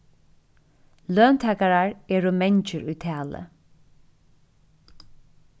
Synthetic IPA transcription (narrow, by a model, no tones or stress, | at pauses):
løːnt̪ʰæːkaɹaɹeːɹʊmɛnt͡ʃəɹʉːt̪ʰæːlə̰